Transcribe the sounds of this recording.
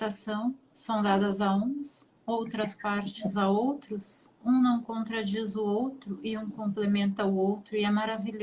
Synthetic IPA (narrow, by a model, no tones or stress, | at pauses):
asɐ̃w̃ | sɐ̃w̃d̪ad̪ɐzaũs | owt̪ɾɐspaɾt͡ʃɪzaowt̪ɾʊsũnɐ̃w̃kõnt̪ɾad͡ʒizʊowt̪ɾʊʔɪũkõmplemẽnt̪ɐʊowt̪ɾʊɪɛmaɾaviʎ